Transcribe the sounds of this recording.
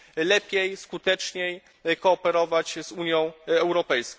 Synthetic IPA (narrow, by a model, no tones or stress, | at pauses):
lɛpʲjejskut̪ɛt͡ʂɲej | kɔːpɛɾɔvat͡ɕzuɲjɔ̃w̃ɛwɾɔpɛjskɔ̃